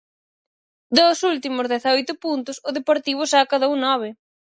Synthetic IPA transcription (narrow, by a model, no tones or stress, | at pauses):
d̪osult̪imʊzðɛθojt̪ʊpunt̪ʊsʊðepoɾt̪iβ̞ʊsakaðɐunɔβ̞ɪ